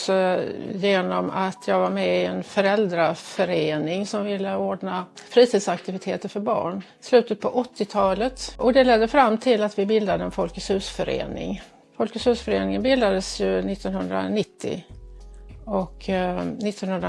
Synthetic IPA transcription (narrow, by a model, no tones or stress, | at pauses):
sɔjeːnɔmat̪ʰjɑːɡvaɾmɛɪɛnfœɾɛld̪ɾafœɾeːnɪŋsɔmvɪlːəoːɖɳa | fɾiːt̪ʰiːd̪sakt̪ɪvɪt̪ʰeːt̪əɾfœɾbɑ̰ːɳ | slʉ̟ːt̪ət̪̚pʰɔʔɔt̪ːɪt̪ʰɑːlət̪ʔɔd̪ɛlɛd̪ːəfɾamːt̪ʰɪlːat̪vɪbɪld̪ad̪əɛnfɔlkəshʉ̟ːsfœɾḛːnɪ̰ŋ | fɔlkəshʉ̟ːsfœɾeːnɪŋənbɪld̪ad̪əsjɵnɪt̪ːɔnhɵnd̪ɾa̰nɪt̪ʰːɪ̰ | ɔknɪt̪ːɔnhɵnd̪ɾ